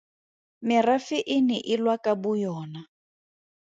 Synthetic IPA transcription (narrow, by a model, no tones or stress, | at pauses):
mɪrafɪʔɪnɪʔɪlwakʼabʊjɔːna